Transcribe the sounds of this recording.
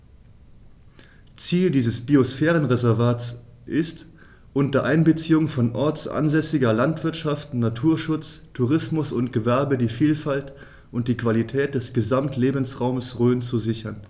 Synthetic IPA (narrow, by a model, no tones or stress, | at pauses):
t͡siːldiːzəsb̥iosfɛːʁ̞ənʁezɛɐvaːtsʔɪst | ʔʊntɐʔaɪnbət͡siːʊŋfɔnʔɔɐt͡sʔa̰nzɛsɪɡɐlantv̥ɪɐtʃaftnatʰuːɐʃʊt͡stʰuʁɪsmʊsʊntɡ̥əvɛɐbədiːfiːlfalt | ʔʊnt̚d̥iːkv̥alitʰɛːt̚d̥ɛsɡ̥əzamtʰleːbn̩sʁaʊməsʁøːnt͡suzɪçɐn